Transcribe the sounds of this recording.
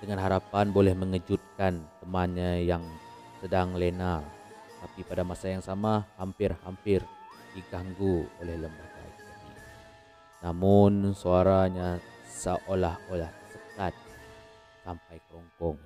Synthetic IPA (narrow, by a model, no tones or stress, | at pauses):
dəŋanɦaɾapanbolɛhməŋəd͡ʒut̪̚kant̪əmanɲajaŋ | sədaŋlena | t̪apipadamasajaŋsamahampɪrhampɪrdiɡaŋɡuolɛhləmbaɡa̰jət̪adḭ | namʊnsoaɾaɲasəʔolaholaht̪əsəkat̪̚ | sampajkəɾɔŋkɔŋ